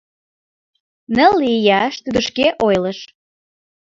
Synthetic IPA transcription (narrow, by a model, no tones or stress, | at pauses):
nəlːijɑʃt̪yd̪ə̆ʃkeʔojləʃ